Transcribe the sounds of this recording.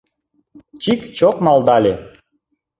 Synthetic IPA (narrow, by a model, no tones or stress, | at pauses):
t͡ɕikt͡ɕokmɑld̪ɑlʲe